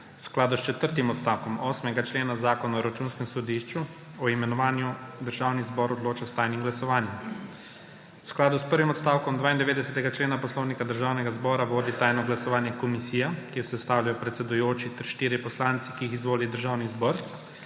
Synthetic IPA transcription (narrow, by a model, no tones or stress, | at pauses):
wsklaːd̪ust͡ʃɛt̪əɾt̪imɔt̪st̪aːwkɔmɔːsmɛɡat͡ʃleːnazaːkɔnaɔɾat͡ʃuːnskɛmsɔd̪iʃt͡ʃu | ɔimɛnɔʋaːnjud̪əɾʒaːwnizbɔɾɔd̪loːt͡ʃast̪aːjnimɡlasɔʋaːnjɛm | wsklaːd̪uspəɾʋimɔt̪st̪awkɔmd̪ʋaːind̪ɛʋeːd̪ɛsɛt̪ɛɡat͡ʃleːnapɔslɔwnikad̪əɾʒaːwnɛɡazbɔːɾaʋoːd̪it̪aːjnɔɡlasɔʋaːnjɛkɔmisiːjakiɔsɛst̪aːwlʲjajɔpɾɛt̪sɛd̪ujoːt͡ʃit̪ɛɾʃt̪iːɾjipɔslaːnt̪sikiixizʋoːlid̪əɾʒaːwnizbɔːɾ